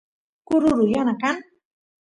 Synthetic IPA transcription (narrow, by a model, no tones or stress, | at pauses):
kuɾuɾujanakan